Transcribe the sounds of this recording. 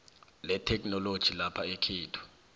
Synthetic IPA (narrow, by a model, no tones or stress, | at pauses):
lɛtʰɛk̬ʰʼnɔlod̥ʒ̥ʱilapʰaekʰiːtʰu̥